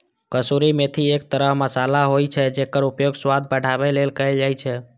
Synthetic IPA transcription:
kəsuɾimet̪ʰiek̚t̪əɾəɦməsalaɦojt͡ʃʰɛd͡ʒekəɾupjoɡswad̪̚bəɽ̤ʱabɛlelkəɪld͡ʒaːjt͡ʃʰɛ

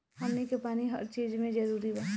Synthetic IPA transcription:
hɐmnikepaːniɦə̰ɾt͡ʃeːd͡ʒmẽd͡ʒɐɾuːɾiba

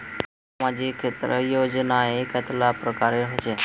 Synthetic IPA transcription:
s | mad͡ʒikʰːet̪ɾəjod͡ʒnaekət̪ʰlapɾəkaɾeɦot͡ʃe

